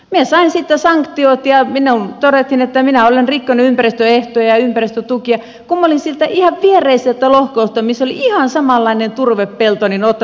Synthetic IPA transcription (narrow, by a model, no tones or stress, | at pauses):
miesɑinsit̪ːesɑŋkt̪iot̪jɑminːont̪odet̪hinet̪ːæminæolenrikːonyympærist̪øeht̪ojɑjɑympærist̪øt̪ukiɑ | kumːolinsilt̪æʔihɑʋʋierˑeiset̪ːælohkoust̪ːɑmisːoliihɑnsɑmɑlːɑinent̪urʋeppelt̪oninot̪ː